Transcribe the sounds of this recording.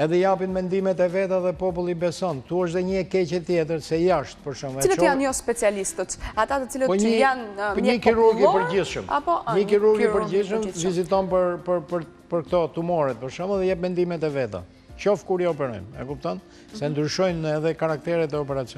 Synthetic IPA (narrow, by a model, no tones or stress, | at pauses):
ɛðɛjapinmɛnd̪imɛt̪ɛvɛt̪̬aðɛpɔpulˠibɛsɔnt̪uəʃ̬t̪ɛɲəɛkɛcɛt̪ːjɛt̪̬əɾsɛjaʃt̪̚pəɾʃumɛilt̪janɔspɛt͡sialist̪ət̪at̪at̪ət͡siləpɔɲanpɔɲikiɾuɾɡipəɾɟiθʃə̰ma̰pɔɲəkiɾuɾɡipəɾɟiθʃəmvizit̪ɔnpəɾpəɾpəɾ | pəɾkt̪ɔt̪umɔɾɛt̪̚pəɾʃumɛðɛjɛpmɛnd̪imɛt̪ɛvɛt̪a̰ | t͡ʃɔfkuɾjɔɔpɛɾɔ̰jmɛ̰kup̚t̪ɔn | sɛnd̪ɾyʃɔjnɛðɛkaɾak̚t̪ɛɾɛt̪̬ɛɔpɛɾat͡siɔ